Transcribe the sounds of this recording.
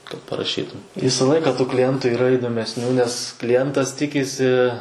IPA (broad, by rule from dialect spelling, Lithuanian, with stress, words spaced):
kɐt pɐrɐˈʃʲiːtʊm ˈʋʲiːsɐ ˈlˠɐɪkɐ klʲɪˈjɛntuː iːˈrɐ ɪdoːmʲɛsʲˈnʲuː nʲɛs klʲɪˈjɛntɐs ˈtʲɪkʲɪsʲɪ